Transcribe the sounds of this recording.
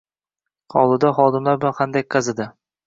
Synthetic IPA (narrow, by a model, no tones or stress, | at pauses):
qʰɒlˠɪd̪aχɒd̪ɪmlaɾblanqʰɑnd̪akʲʰːɑzɪd̪ɪ